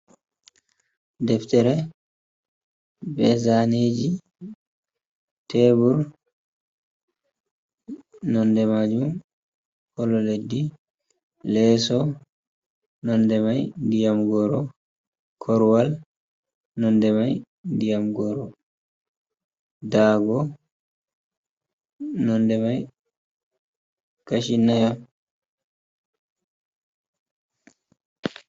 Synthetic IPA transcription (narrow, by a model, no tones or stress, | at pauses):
dɛftɛɾɛ | bɛzaned͡ʒi | tʰɛbuɾ | nɔndɛmad͡ʒum | kɔlɔledːi | lɛsɔ | nɔndɛmajdijamɡɔɾɔ | kʰɔɾwal | nɔndɛmaj | ndijamɡɔɾɔ | daːɡɔ | nɔndɛmaj | kaʃinːajam